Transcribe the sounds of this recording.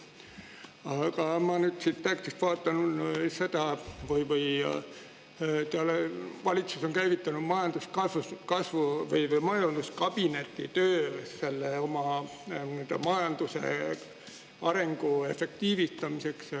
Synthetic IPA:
ɑkɑmɑnyd̪̥sit̪t̪ekt̪ist̪vɑːt̪ːˑɑnuse̞d̪̥ɑvɯjvɯj̰ | t̪eɑlevɑlʲit̪suso̞ŋkæjvit̪ːˑɑnud̪̥mɑjɑnd̪̥uskɑsukɑsvuvɯjvɯjmɑjɑnd̪̥uskɑb̥ine̞t̪ːit̪øːse̞lːeo̞mɑnyd̪ɑmɑjɑnd̪̥use̞̰ | ɑɾe̞ŋɡ̥ue̞fe̞k̚t̪iːvist̪ɑmise̞ks

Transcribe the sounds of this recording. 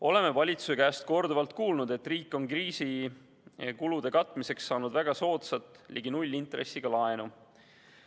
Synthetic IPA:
o̞le̞me̞vɑlʲit̪susekæːst̪̚ko̞rd̪uvɑlt̪kuːlnud̪̥e̞t̪ːˑriːkːo̞nkriːsi | kulud̪̥e̞kɑt̪ːˑmise̞ksːɑːnud̪væɡ̥ɑso̞ːt̪sɑt̪ːˑlʔḭɡ̥inulʲːint̪ɾe̞̰sːiɡ̥ɑlɑe̞nu

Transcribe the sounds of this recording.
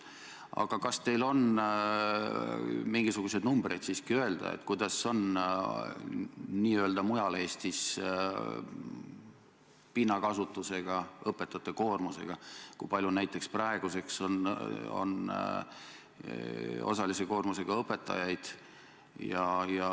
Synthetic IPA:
ɑ̰ɡ̥ɑkɑst̪e̞jlo̞n | miŋɡ̥isuɡ̥use̞d̪numbrejd̪̥siːskiø̞e̞ld̪̥ɑ̰ḛt̪ːkujd̪ɑsːo̞n | niːøld̪ɑmujɑle̞ːst̪is | pinːɑkɑsut̪ːˑuse̞ɡ̥ɑɤpːˑe̞t̪ːˑɑt̪ːˑeko̞ːrmuse̞ɡ̥ɑkujpɑlʲjunæjt̪ːˑe̞ksprɑe̞ɡ̥use̞kso̞no̰n | o̞̰sɑlise̞ko̞ːrmuse̞ɡ̥ɑɤpːˑe̞t̪ːˑɑ̰jɑjd̪̥ | jɑjɑ

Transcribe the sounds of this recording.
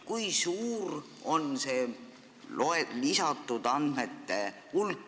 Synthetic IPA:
kujsuːr | o̞nse̞ː | loelisɑt̪ːˑud̪̥ɑnd̪̥met̪ːe̞ | ulkː

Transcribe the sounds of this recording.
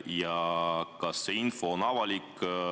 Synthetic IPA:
jɑkɑsːeinfo̞ːnɑvɑlʲik

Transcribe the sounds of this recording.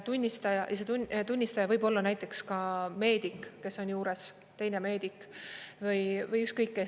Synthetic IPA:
t̪unʲːist̪ɑjɑjɑset̪unt̪unʲːist̪ɑjɑvɤjbo̞lːɑnæjt̪ːˑe̞kskɑme̞ːd̪̥ikˑːe̞sːo̞nʲjuːɾe̞s | t̪e̞jne̞me̞ːd̪̥ikːvɯjvɤjykst̪̚kɤjkːe

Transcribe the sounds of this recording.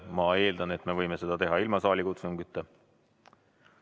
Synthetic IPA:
mɑe̞ːld̪ɑnet̪me̞vɤjmese̞d̪ɑt̪e̞ɦɑilmɑsɑːlʲikut̪suŋɡyt̪ːe

